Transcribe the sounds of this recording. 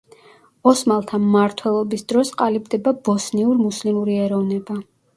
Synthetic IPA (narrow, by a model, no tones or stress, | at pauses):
ɔsmalˠt̪ʰamːaɾt̪ʰwɛlˠɔbisd̪ɾɔsqʼalibd̪ɛbabɔsniuɾmuslimuɾiɛɾɔvnɛba